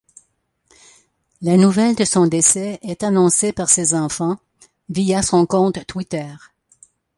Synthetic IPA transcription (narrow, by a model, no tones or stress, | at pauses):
lanuvɛld̪əsɔ̃d̪esɛɛt̪anɔ̃sepaʁsezɑ̃fɑ̃ | vijasɔ̃kɔ̃t̪ːwit̪ɛːʁ